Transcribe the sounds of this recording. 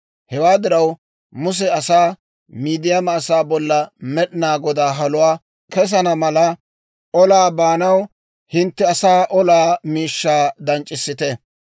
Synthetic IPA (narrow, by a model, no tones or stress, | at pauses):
hɛwaːd̪ɪɾɐw | mʊs̬ɛɐsaː | miːd̪ɪjɐmɐːsaːbɔlːɐmɛɗɪnaːɡɔd̪aːɦɐlʊwaː | kɛs̬ɐnɐmɐlɐ | ʔɔlaːbaːnɐw | hɪnt̪ːɛɐsaːʔɔlaːmiːʃːaːd̪ɐnt͡ʃʼːɪsːɪt̪ɛ